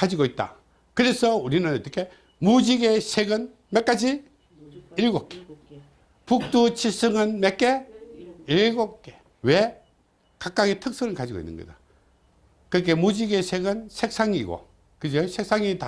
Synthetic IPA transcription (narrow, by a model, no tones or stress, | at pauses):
kad͡ʑiɡoit̚t͈a̰ | kɯɾe̞sʰʌuɾinɯnʌt͈ːʌkʰe̞ | mud͡ʑiɡe̞sʰeɡɯn | mek͈ad͡ʑi | iɭɡok͈e̥ | puk̚t͈ut͡ɕʰisʰɯŋɯnmek͈e̞ | iɭɡok͈e̥ | we̞ | kak͈̚aɡitʰɯk̚s͈ʰɯŋɯnkad͡ʑiɡoḭnːɯ̰nɡʌ̰da | kɯɾik̬ʰe̞mud͡ʑiɡesʰeɡɯnsʰek̚s͈aŋiɡo̰ | kɯd͡ʑosʰek̚s͈ʰaŋita